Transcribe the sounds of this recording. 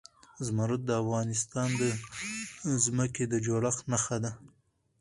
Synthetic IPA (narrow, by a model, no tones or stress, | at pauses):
zmaɾʊt̪̚d̪əafɣɑnɪst̪ɑnd̪ə | zməked̪əd͡ʒoɽaxnaxad̪a